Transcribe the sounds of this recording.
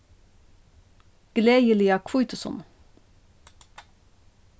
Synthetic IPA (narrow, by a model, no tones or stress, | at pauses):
ɡ̥leːjəliːɑkʰvuːt̪ʊsɔ̰n